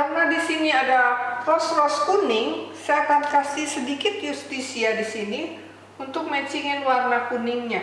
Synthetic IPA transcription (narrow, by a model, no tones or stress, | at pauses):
arnadisiniadarɔsrɔskunɪŋsajakankasihsədikɪt̪̚just̪isiadisini | unt̪ʊk̚mat͡ʃiŋɪnwarnakunɪŋɲa